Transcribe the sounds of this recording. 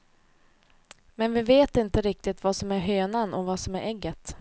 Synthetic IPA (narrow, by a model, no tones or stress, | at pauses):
mɛnvɪveːt̪ɪnt̪əɾɪk̚t̪ɪt̪vasɔmæɾɦøːnanʔɔvasɔmæɾʔɛɡːət̪